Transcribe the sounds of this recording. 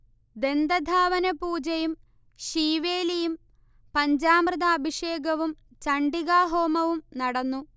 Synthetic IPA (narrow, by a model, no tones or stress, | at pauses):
d̪e̞nd̪ɐd̪ʱaːʋɐnɐpuːd͡ʑɐjum | ɕiːʋeːlijum | pɐɲd͡ʑaːmrɨðaːbʱiʂeːɡɐʋum | t͡ɕɐɳɖiɣaːɦoːmɐʋumnɐɽɐnːu